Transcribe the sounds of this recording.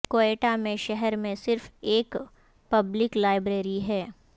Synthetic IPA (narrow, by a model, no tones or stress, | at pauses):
koːeːʈamẽʃɛɦɛɾmẽsɪɾfeːk | pɐblɪklaːɪbɾeːɾiɦɛː